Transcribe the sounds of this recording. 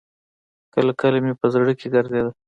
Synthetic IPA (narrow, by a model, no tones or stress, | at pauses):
kəlakəlamepəzɽəkeɡaɾd̪ed̪a